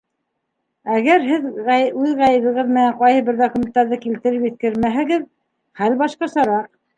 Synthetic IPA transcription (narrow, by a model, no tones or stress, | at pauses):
æɡæɾɦɘðʉðʁæjɘ̆βɤ̆ʁɤðmɘ̆næɴqɑjhɤbɘɾd̪okumʲent̪ːɑɾðɤkilt̪ɘ̆ɾɘpjɵ̆θkɘɾmæɦɘ̆ɡɘð | χælbɑʃqɑsɑɾɑq̚